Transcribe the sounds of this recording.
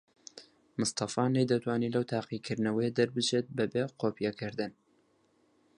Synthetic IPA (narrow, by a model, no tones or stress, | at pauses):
mɨst̪ɑfɑnejd̪ɐt̪ʰwaːniːlɐwt̪ʰaːqikʰɨɾd̪nɐwɐjed̪ɐɾbɨt͡ʃet̪̚bɐbeqoːpijɛkʰɨɾd̪ɨn